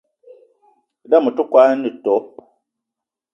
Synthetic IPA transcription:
da˦˨mu˨tu˦kwa˦nɨ˨tɔ˨˦

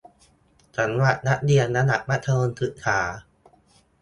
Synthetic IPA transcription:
t͡ɕʰa˩˦nwa˨˩t̪̚na˦˥ʔ̚di˧ənna˦˧˥na˨˩k̚ma˦˥t̪ʰːa˧no˧nt̪ʰɯ˨˩t̪̚kʰaː˩˦

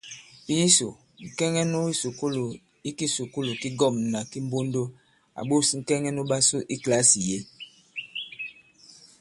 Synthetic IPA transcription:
i˦so˨ | ŋ̩˨kɛ˦ŋɛ˦nu˦i˦su˨ko˦lo˨ | i˦ki˦su˨ku˦lo˨ki˦ɡɔ˦˨mna˨ki˦m˦bo˦ndo˦ | a̰˨ɓo˦si˨ŋ̩˨kɛ˦ŋɛ˦no˦ɓa˦su˦ʔi˦kla˦si˨je˦

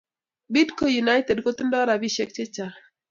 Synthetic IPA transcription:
bi˦dko˨ju˨na˦jt̪e˨dko˦t̪u˦ndɔ˦ɾa˨bi˦ʃe˦k̚t͡ʃe˦t͡ʃa˨

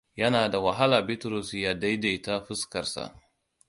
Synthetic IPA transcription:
jɐ˦naː˨da˨wɐ˨ɦa˦laː˨bɪ˦tɾɔ˨sjaː˨da˦jde˨˦ta˦ɸɪ˦skɐ˨rsa̰˨ʔ

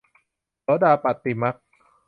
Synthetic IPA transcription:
ɔː˦daː˧pa˨˩t̪ːi˨˩ma˦˥k̚

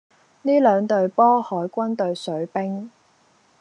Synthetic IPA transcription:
niː˥lœː˨˧ŋt̪ɵ˨ɥpɔː˥hɔː˨˥jkʷɐ˥nt̪ɵ˨ɥsɵ˨˥ɥpɪ˥ŋ

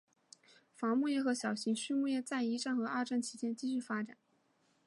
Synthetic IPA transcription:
fɑ˧˥ŋmu˥˧jɛ˥˩xɤ˧˥ɕjɑ˨˩ʊɕi˧˥ŋɕy˥˧mu˥˧jɛ˥˧t͡sa˥˩ɪi˧˥ʈ͡ʂa˥˩nxɤ˧˥a˥˧ʈ͡ʂa˥˩nt͡ɕʰi˧˥t͡ɕjɛ˥nt͡ɕi˥˧ɕ̬y˥˩fa˥ʈ͡ʂa̰˨˩˦n

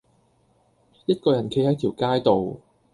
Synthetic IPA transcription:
jɐ˥t̚kɔː˧jɐ˨˩nkʰe˧˥jhɐ˨˥jt̪ʰi˨˩wkaː˥jt̪o˨w

